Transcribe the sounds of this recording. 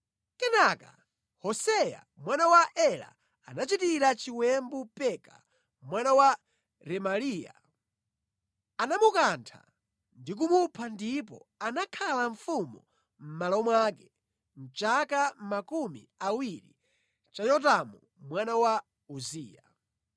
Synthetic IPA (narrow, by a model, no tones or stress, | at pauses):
kɛnaka̰ | hɔsɛja̰ | mwanawaʔɛla̰ | anat͡ʃitiɾat͡ʃiwɛmbupɛka̰ | mwanawa | ɾɛmalija̰ | anamukantʰa̰ | ndik̬umupʰandipɔ̰anakʰalaɱfumu | m̩malɔmwak̬ɛ̥ | n̩t͡ʃakamakumḭawiɾḭ | t͡ʃajɔt̬amu | mwanawa | uziːja